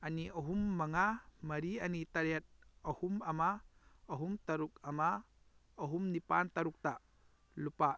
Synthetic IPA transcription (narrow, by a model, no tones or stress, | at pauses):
ɐniʔɐɦumːɐŋamɐɾiɐnit̪ɐɾjɐt̪̚ɐhumɐmaɐɦumt̪ɐɾuk̚ɐma | ɐɦumnipant̪ɐɾuk̚t̪a | lupa